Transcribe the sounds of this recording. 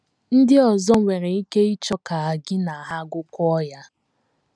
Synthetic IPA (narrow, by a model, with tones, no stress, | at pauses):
n̩˦dɪ˦ɔ˨zɔ˦ŋʷe˨ɾe˨i˦ke˦i˦t͡ʃɔ˦ka˨a˨ɡɪ˦na˨ɦa˦ɡʷʊ˦kʷʊ˦ɔ˦ja˦